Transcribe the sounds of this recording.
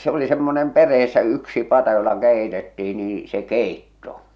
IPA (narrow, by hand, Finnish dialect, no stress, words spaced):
se oli semːonem perˑeːsːæ yksi pɑtɑ jolːɑ keˑi̞tetːiː niː se keˑitːo